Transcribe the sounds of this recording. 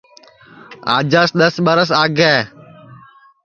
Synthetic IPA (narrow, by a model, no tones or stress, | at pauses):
a̰ːd͡ʒaːsɗ̪əsɓəɾəs̬aːɡɛː